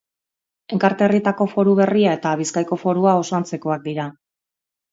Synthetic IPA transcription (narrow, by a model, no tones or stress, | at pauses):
e̞ŋkaɾt̪e̞rit̪ako̞fo̞ɾuβ̞e̞riae̞t̪aβ̞iskajko̞fo̞ɾuao̞soant͡se̞ko̞ak̚d̪iɾa